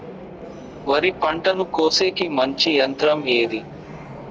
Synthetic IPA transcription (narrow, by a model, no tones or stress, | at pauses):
ʋɐɾipɐɳʈɐnukoːseːkimɐɲt͡ʃijɐnt̪ɾɐmeːd̪i